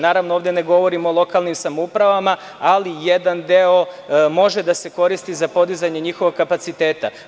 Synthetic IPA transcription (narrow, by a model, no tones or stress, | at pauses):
naːɾaʋnooːʋd̪ʲene̞ɡo̞ʋo̞ɾimolˠo̞kaːlnimsamoupɾaʋama | alijed̪and̪eo̞mo̞ʒe̞d̪ase̞ko̞ɾist̪izapo̞d̪izaɲe̞ɲixoʋo̞ɡkːapat̪sit̪e̞ːt̪a̰